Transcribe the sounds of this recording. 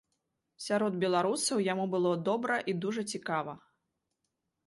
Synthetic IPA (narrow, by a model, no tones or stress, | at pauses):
sʲaɾɔd̪̚bʲɛlˠaɾusɐwjamubɨlˠɔd̪ɔbɾɐʔid̪uʐɐt͡sʲikavɐ